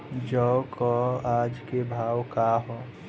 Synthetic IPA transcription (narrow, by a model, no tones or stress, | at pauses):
d͡ʒɔkɔaːd͡ʒkebʱaːwkaɦɔ